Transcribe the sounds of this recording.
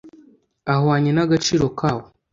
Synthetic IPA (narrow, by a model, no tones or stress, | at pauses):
ahwaɲenaɡat͡ʃiːɾo̞kaːwo